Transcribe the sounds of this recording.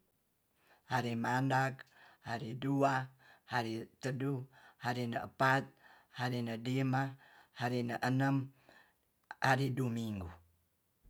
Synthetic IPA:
haɾimandaɡhaɾiduahaɾit̪əduhaɾinəəpat̪̚ | haɾinədimahaɾinəʔənəm | aɾidumiŋɡu

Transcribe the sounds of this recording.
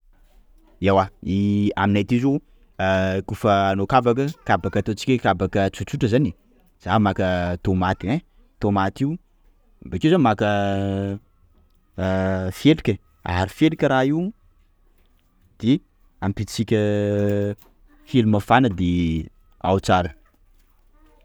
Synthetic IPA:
ewaia̰minajt̪izu | kufəːnokavakəkabakat̪ot͡si̥kʲəkabakət͡sut͡suʈ͡ʂəzani | z̥amakət̪omat̪ie | t̪omat̪iu | bekezamakə | felikʲə | a̰aɾifelikʲəɾaiu | d̪̥e | ampit͡sikʲə | felumafanəd̪e | a̰wt͡saɾə

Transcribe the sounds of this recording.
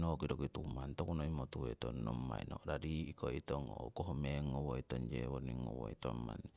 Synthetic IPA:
nokidɔkit̪umant̪ɔkunoimot̪uwet̪ɔnːɔmaḭnodadiːkoit̪ɔŋokɔɦɔmeŋɔwoit̪ɔnd͡ʒewɔniŋɔwɔit̪ɔma̰ni

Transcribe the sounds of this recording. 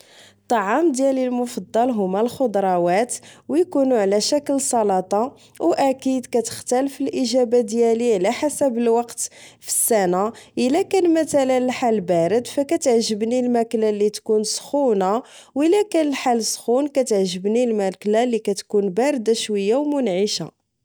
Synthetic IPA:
t̪ˤːɑʕɑmd̪jælilmʊfɑd̪ˤːɑlɦʊmælxod̪ɾˤɑwæt̪wjkunuʕlæʃækəlsˤɑlɑt̪ˤɑ | wʔækid̪kæt̪ə̥xt̪ælfilʔiʒæbad̪jæliʕlæħasæbəlwɑqt̪fiə̥sːænaʔəlækænmæt̪ælənħalbæɾəd̪fækæt̪əʕʒəbnilmæklalit̪kunsxuna | wəlːækælħalsxunkæt̪ʕʒəbnilmæklalikæt̪kunbæɾd̪aʃwəjːawmʊnʕiʃa

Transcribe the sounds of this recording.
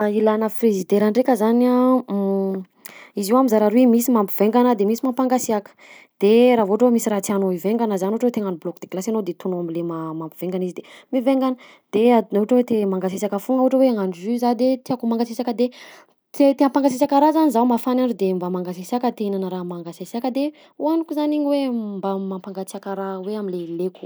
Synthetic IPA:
ilanəprezid̪eɾaɳɖ͡ʐekəzana | iziwamizaɾaɾwemisimampiv̥eŋɡanəd̪emisimapaŋɡaseakə̥ | d̪̥eɾavoʈ͡ʂəwemisiɾat͡s̪ianoiveŋɡanəzanioʈ͡ʂwet̪eŋaniblɔkd̪̥eklasanod̪et̪unoamilemamampiv̥eŋɡanizid̪emiveŋɡanə | d̪̥eaɦuʈ͡ʂəwet̪emaŋɡasesakəfuŋəuʈ͡ʂəweaŋanzyzad̪et̪iakumaŋɡasesakəd̪e | t̪et̪eŋəpaŋɡas̬esakaɾazanizawmafanaɳɖ͡ʐud̪embamaŋɡasesiakət̪einanəɾamaŋɡasesiakəd̪e | uanukuzaniɲiwembamampaŋɡat͡siakəɾaweaminleleku̥

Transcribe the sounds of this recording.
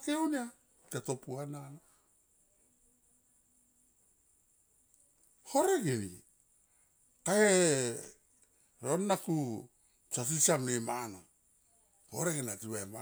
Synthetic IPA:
keonia | tato̞puanana | ho̞ɾeɡinḭ | kae | ɾonːaku | t͡ʃas̬isamnemano | hoɾeɡenatiβaema

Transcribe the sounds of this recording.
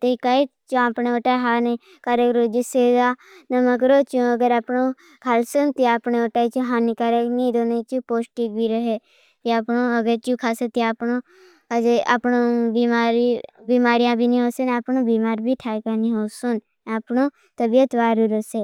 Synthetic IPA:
t̪ikait̪t͡ʃũaːpneoʈaːɦaːni | kaɾekɾod͡ʒɪseːdaː | nɐməkɾoːt͡ʃũəɡəɾapnõː | kʰalsunt̪iapneoʈaːit͡ʃuɦaːnikaɾeknĩːd̪oːnet͡ʃũpoːsʈik̚bʱiɾəɦeː | t̪iapnõːəɡəɾt͡ʃukʰaːset̪iapnoː | ad͡ʒeapnobiːmaːɾibiːmaːɾijãːbʱiːnĩːɦoːsenapnõːbiːmaːɾbʱiʈʰaːkaːnĩɦoːsun | apɳõː | t̪əbijət̪ʋaːɾiɾoseː

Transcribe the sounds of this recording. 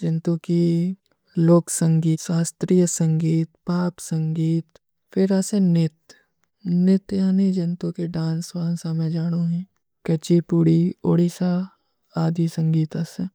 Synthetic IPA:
d͡ʒɐnt̪õki | loːksə̃ŋɡiːsaːst̪ɾiːjəsə̃ŋɡiːt̪paːpsə̃ŋɡiːt̪ | fɪɾasẽnɪt̪ | nɪt̪jaːnid͡ʒɐnt̪õkeɖãːnsʋaːnsamẽd͡ʒaːɽ̃uɦɛ̃ː | kɐt͡ʃipuːɽioːɽisa | aːd̪ʱisə̃ŋɡiːt̪asẽ

